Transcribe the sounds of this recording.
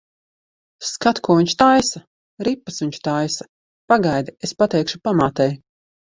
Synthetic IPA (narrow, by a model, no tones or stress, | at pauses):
skat̪kuɔviɲt͡ʃt̪ajsa | ɾipːasviɲʲt͡ʃt̪ajsḁ | paɡajd̪iespat̪ɛjkʃu̥pamaːt̪ɛj